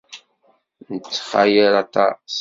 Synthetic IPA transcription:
nət͡sːχajəɾat̪ɑ̰s

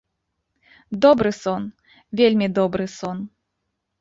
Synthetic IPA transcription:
d̪ɔbɾɨsɔn | vʲelʲmʲid̪ɔbɾɨsɔn

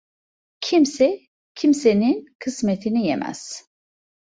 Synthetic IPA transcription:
cʰimsɛ | cʰimsɛninkʰɨsmɛt̪ʰinijɛmʔɛ̰z̥

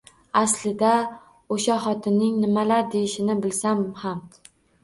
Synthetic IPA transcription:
aslɪd̪a | oʃaχɒt̪ʰɪnːɪŋnɪmalaɾd̪ejɪʃɪnɪbɪlsamham

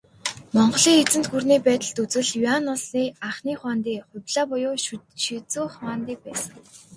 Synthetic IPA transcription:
mɔɴɢɞ̆ɮiːŋet͡sɘ̆nt̪ɡurniːpæːt̪ə̆ɮt̪ut͡sɘ̆ɮianɔɮiːaχniːχwaːnt̪iːχʊ̟pʲɮaːpʊjʊː | ʃit͡suːχaːnt̪iːk̚pæːsə̥̆ŋ

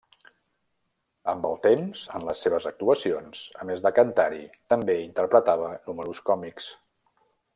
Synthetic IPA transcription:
əmbəlˠt̪emzənləsːeβəzək̚t̪uəsionsə̰mezðəkənt̪aɾit̪əmbeint̪ərpɾət̪aβ̞ənuməɾuskɔmiks

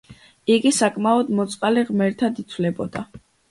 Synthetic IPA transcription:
iɡisakʼmaɔd̪mɔt̪sʼqʼaliʁmɛɾt̪ʰad̪it̪ʰvlɛbɔd̪̥a

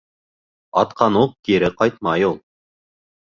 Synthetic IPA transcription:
ɑ̰t̪qʰɑnuq̚kiɾɘqɑjt̪̚mɑjulˠ

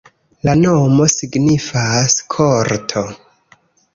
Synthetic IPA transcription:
lanomo̞siɡnifaskʰoɾtʰo

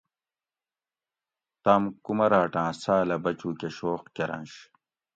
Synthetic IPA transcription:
t̪amkumɐɾaːʈãːsaːlɐbɐt͡ɕuːkeɕoːqkeɾɐ̰̃nɕ

